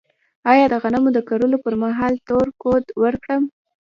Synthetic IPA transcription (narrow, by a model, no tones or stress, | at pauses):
ɑjɑd̪əɣanamod̪əkaɾulopəɾmaɦɑlt̪oɾkod̪wəɾkɽəm